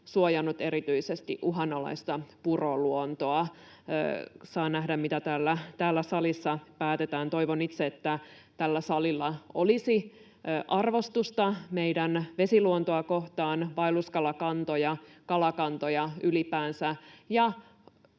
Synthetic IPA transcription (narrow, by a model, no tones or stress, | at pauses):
suojɑnːut̪e̞ɾit̪yisest̪ḭʔuɦɑnolɑ̰ist̪ɑpuroluont̪oɑ̰ | sɑːnæɦdæmmit̪æt̪æːlːæt̪æːlːæsɑlisːɑpæːt̪et̪æːnt̪o̞iʋonit̪seet̪ːæt̪ælːæsɑlilːɑo̰lisi | ʔɑrʋo̞st̪ust̪ɑmeidænʋe̞siluont̪oɑko̞ht̪ɑːnʋɑiluskɑlɑkɑnt̪ojɑkɑlɑkɑnt̪ojɑylipæːnsæjɑ